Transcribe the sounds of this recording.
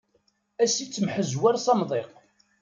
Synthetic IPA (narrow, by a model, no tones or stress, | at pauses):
æsit͡sːəmħəzwæɾsɑmðˤeq